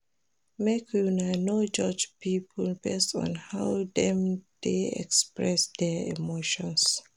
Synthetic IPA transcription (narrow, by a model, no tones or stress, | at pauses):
mekʰunanod͡ʒɔd͡ʒpipʰɔlbɛstɔ̰̃nhawdɛ̃md̥eɛ̰kspɹɛsdɛḭmoʃɔ̃ns